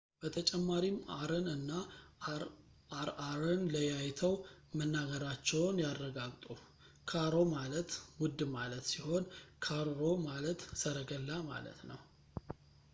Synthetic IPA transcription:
b̥ət̪ʰət͡ʃʼɛmːaɾimaɾənɨnːa | aɾaɾənləjajt̪ʰəwmənːaɡəɾat͡ʃːɛwnjaɾːəɡaɡt̪ʼu | kʰaɾo̞malət̪wʊd̪ːmalət̪siho̞nkʰaɾːo̞malət̪səɾəɡəlːama̰lə̰t̪nəw

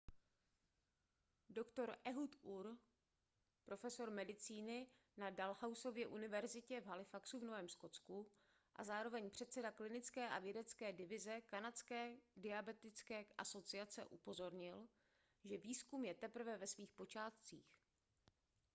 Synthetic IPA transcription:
do̞kt̪o̞ɾʔɛɦut̪ʔuɾ | pɾo̞fɛso̞ɾmɛdɪt͡siːnɪ | nadalhawso̞vjɛʔunɪvɛɾzɪcɛvɦalɪfaksuvnovɛːmsko̞t͡sku | ʔa̰zaːɾo̞vɛɲpr̝̥ɛt̪sɛdaklɪnɪt͡skɛːʔa̰vjɛdɛt͡skɛːdɪvɪzɛkanat͡skɛːdɪabɛt̪ɪt͡skɛːʔaso̞t͡sɪat͡sɛ̰ʔupo̞zo̞ɾɲɪl | ʒɛviːskumjɛt̪ɛpr̩vɛvɛsviːxpo̞t͡ʃaːt̪t͡sḭːx

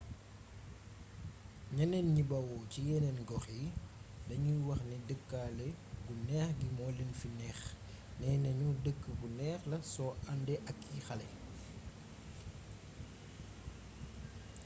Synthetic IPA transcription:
ɲɐnɛnɲibɐwɔcijɛnɛnɡɔxjidɐɲujwɐxnɛdəkːaːlɛɡunɛːxɡimɔːlenfinɛːx | nɛːnɐɲudəkːəbunɛːxlɐsɔɐndɛʔɐkʰːixɐlɛ̰

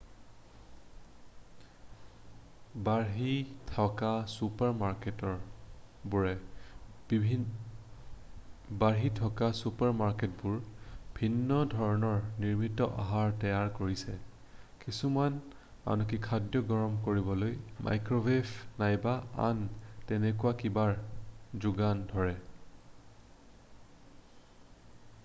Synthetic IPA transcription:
baɹɦitʰɔkasupaɹmaɹketɔɹbuɹɛ | baɹɦitʰɔkasupaɹmaɹket̚bʊɹbʱinːɔdʱɔɹɔnɔɹniɹmitɔʔaɦaɹtɛjaɹkoɹisɛ | kisuman | a̰nɔkikʰadjɔɡɔɹɔmkoɹibɔlojmʔa̰jkɹobʱepnajbaa̰ntɛnɛkʊwakibaɹzuɡandʱɔɹɛ

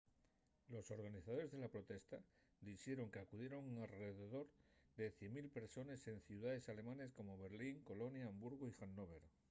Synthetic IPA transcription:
lo̞so̞ɾɣaniθaðo̞ɾezð̞e̞lapɾo̞t̪e̞st̪a | d̪iθje̞ɾo̞ŋkeakuðje̞ɾo̞ŋalre̞ðe̞ðo̞ɾðe̞θje̞mːilpe̞ɾso̞nese̞n̟θjuðaðe̞sale̞mãne̞sko̞mo̞βe̞ɾliŋko̞lo̞njaːmbuɾɣ̞oixanːoβ̞e̞ɾ

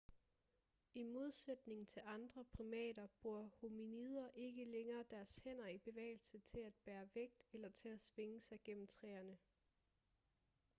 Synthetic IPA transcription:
imo̝ð̞ˠsed̥ne̝ŋ̩t͡sʰe̝lɑ̈nd̥ʁɐpʰʁimɛ̰ːdɐb̥ʁuɐ̰hominið̞ˠɐʔe̝ɡ̥əleŋɐːd̥æɐshen̰ɐib̥e̝ʋɛ̰ːɪlsət͡sʰe̝læd̥̚b̥æːɐʋeɡ̥̚d̥elɐt͡sʰe̝læsʋeŋəsɑ̈ɪɡ̥en̰m̩t͡sʰʁɛ̰ːɐnə

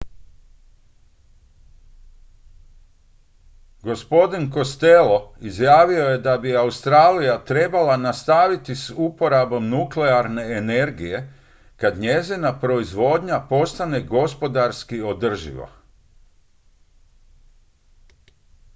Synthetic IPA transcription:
ɡo̞spo̞d̪inko̞st̪elo̞izjaːʋio̞jed̪abiaust̪ɾaːlijat̪ɾe̞balanast̪aʋit̪isupo̞ɾabo̞mnukleaɾne̞ːne̞ɾɡije̞ | kad̪ɲezinapɾo̞izʋo̞d̪ɲapo̞st̪ane̞ɡo̞spo̞d̪aɾskio̞d̪r̩ʒḭʋa̰

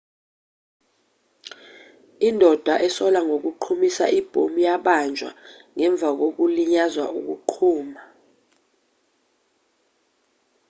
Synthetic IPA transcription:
indʱɔd̥ʱwaʔɛsɔlaŋok̬uǃʰumisa̰ʔib̥ʱomujaɓand͡ʒʱwa̰ | ŋɛɱb̪vʱak̬ok̬uliɲazwauk̬ṵǃʰuːma

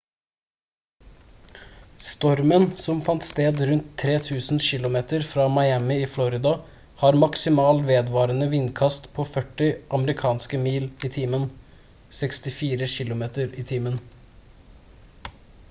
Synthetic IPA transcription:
st̪ɔɾmənsɔmfɑnt̪st̪eːd̪ɾʉnt̪ʰːɾeːt̪ʰʉːsn̩ʃɪlʊmeːt̪əɾfɾɑːmɑɪæmɪiːflɔɾɪd̪ɑ | hɑːɾmɑksɪmɑːlʋeːd̪ʋɑːɾənəʋɪnkʰɑst̪pʰoːfœʈɪʔɑməɾɪkʰɑːnskəmiːliːt̪ʰiːmən | sɛkst̪ɪfiːɾəʃɪlʊmeːt̪əɾiːt̪ʰiːmən

